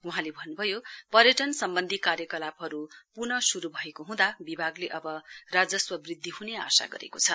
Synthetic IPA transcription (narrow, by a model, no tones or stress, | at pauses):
uɦãlebʱʌnːubʱʌjopʌɾjʌʈʌnsʌmbʌnd̪ʱikaɾjʌkʌlapɦʌɾupurnʌsuɾubʱʌekoɦũd̪abibʱaɡleʔʌbʌrad͡zʌswʌbrid̪ʱːiɦunea̰sa̰ɡʌ̰ɾḛkot͡sʰʌ